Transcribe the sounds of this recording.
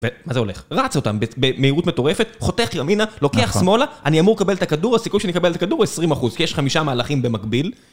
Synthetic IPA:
vemazeo̞le̞χʁat͡so̞t̪ambebemeiʁutmeto̞ʁe̞fe̞tχo̞teaχɡaminalo̞keaχsmo̞laʔaniamuʁkabelet̪akaduʁasikujʃeanikabeletakaduʁesʁimaχuzkijeʃχamiʃamaːlaχimbe̞makbil

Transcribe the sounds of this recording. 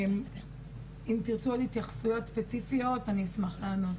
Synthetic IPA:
m | int̪iʁt͡suothit̪jaχsujo̞t̪spet͡sifijo̞tanismaχlano

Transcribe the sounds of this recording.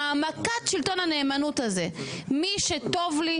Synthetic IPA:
amakatʃilt̪o̞nane̞ːmanut̪azemiʃet̪ovli

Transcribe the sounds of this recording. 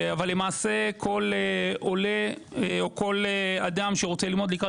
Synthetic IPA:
avalːe̞maːse̞kʰo̞leo̞le̞eoko̞lead̪amʃeʁot͡selilmo̞d̪likʁa

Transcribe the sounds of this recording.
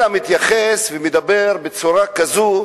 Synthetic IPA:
amɪt̪jaχɛsvimɪd̪abɛɾbɪt͡suɾakazu

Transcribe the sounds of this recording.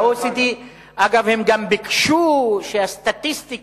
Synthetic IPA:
osit̪i | ʔaɡavhemɡambikʃuʃeast̪at̪ist̪ik

